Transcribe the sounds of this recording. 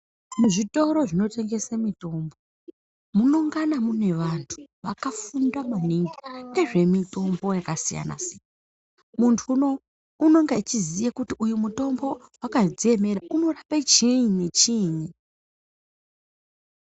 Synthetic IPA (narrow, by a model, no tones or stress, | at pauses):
muʐito̞ɾo̞ʐino̞te̞ŋɡe̞samito̞ːmbo̞ | munoŋɡanamune̞ʋantʰu̥ʋakafundamaniŋɡiŋɡe̞ʐe̞mito̞mbo̞jakasija̰na̰sijan | muntʰuːno̞ | uno̞ŋɡeit͡ʃizijakutiʔujumuto̞mbo̞wakad͡zieme̞ɾaʔuno̞rapat͡ʃiɲɲit͡ʃiɲi